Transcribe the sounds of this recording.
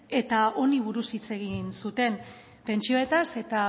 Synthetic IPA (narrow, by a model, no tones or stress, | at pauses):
e̞t̪ao̞niβ̞uɾusit͡se̞ɣ̞insut̪e̞n | pe̞nt͡ʃio̞e̞t̪ase̞t̪a